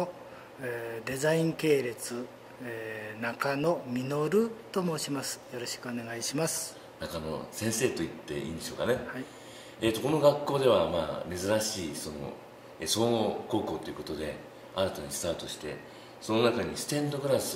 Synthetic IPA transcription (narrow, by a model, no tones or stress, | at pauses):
o | d̪e̞zaĩŋke̞ːɾe̞t͡sɨ | nakano̞mʲino̞ɾɯ̟t̪o̞mo̞ːɕimasɨ̥jo̞ɾoɕi̥kɯ̟one̞ɡaiɕimasɨ̥ | nakano̞̰sẽ̞ɰ̃se̞ːt̪o̞it̪ːe̞̰ʔḭːnd̪e̞ɕo̞ːkane̞hai | et̪oko̞no̞ɡakːo̞ːd̪e̞β̞amaːme̞zɨɾaɕiːso̞no̞̰ | esoːŋoko̞ːko̞ːt̪ːo̞jiɯ̟ko̞t̪od̪e̞̰ | aɾat̪aɲ̟isɨ̥t̪aːt̪o̞ɕi̥t̪e̞̰ | so̞no̞nakaɲ̟isɨ̥t̪ẽ̞nd̪o̞ɡɯ̟ɾasɨ̥